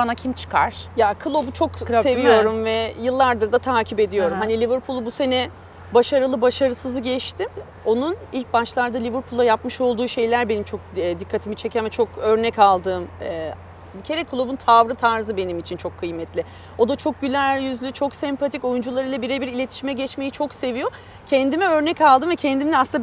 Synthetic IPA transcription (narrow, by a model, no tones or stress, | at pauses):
banacʰimt͡ʃʰɯ̥kʰa̰ɾ̥jakʰɯlˠo̞but͡ʃʰo̞kse̞vijo̞ɾumvɛjɯlˠːaɾd̪ɯɾd̪at̪ʰaːcʰipe̞d̪ijo̞ɾumhanilʲivɯɾpʰulˠbuse̞nɛ | baʃaɾɯlˠɯbaʃaɾɯsɯzɯɟɛt͡ʃt̪ʰim | o̞nunilʲc̚baʃlˠaɾd̪alʲivɯɾpʰulˠajapmɯʃo̞lˠd̪uːʃe̞jlʲæɾbe̞nimt͡ʃʰo̞k̚ɛd̪ikʰːat̪ʰimit͡ʃʰe̞cʰɛmɛt͡ʃʰo̞kø̞ɾnɛcalˠd̪ɯːmɛː | bicʰe̞ɾɛkʰulˠubunt̪ʰavɾɯt̪ʰaɾzɯbe̞nimit͡ʃʰint͡ʃʰo̞kʰːɯjmɛt̪ʰlʲɪ | o̞d̪at͡ʃʰo̞k̚ɟylʲæjyzlʲyt͡ʃʰo̞ksɛmpʰat̪ʰico̞jund͡ʒulˠaɾɯlˠabiɾɛbiɾilʲe̞t̪ʰi̥ʃimɛɟɛt͡ʃmejit͡ʃʰo̞kse̞vijo̞ | cʰɛnd̪imɛø̞ɾnɛcalˠd̪ɯmvɛcʰɛnd̪imnɛasnː